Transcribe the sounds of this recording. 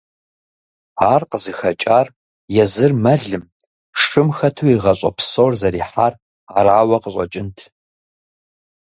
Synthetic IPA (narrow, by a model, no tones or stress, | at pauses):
aːrqəzɨxɐt͡ʃʼaːr | jɛzɨrmɐɮɨm | ʂɨmxɐtʰuiʁɐɕʷʼɐ̰psoːrzɐɾiːħaːr | araːwɐqəɕʼɐt͡ʃʼɪntʰ